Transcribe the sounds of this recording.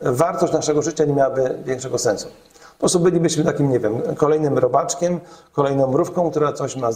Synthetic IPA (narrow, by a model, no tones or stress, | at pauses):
vaɾt̪ɔɕt͡ɕnaʂɛɡɔʐɘt͡ɕaɲemʲawabɘvʲjɛŋkʂɛɡɔsɛ̃nsu̥ | pɔsubɘlʲibɘɕmɘt̪akʲimɲɛvʲjɛmkɔlɛjnɘmɾɔbat͡ʂkʲɛmkɔlɛjnɔ̃w̃bɾufkɔ̃w̃k̚t̪uɾat̪sɔɕma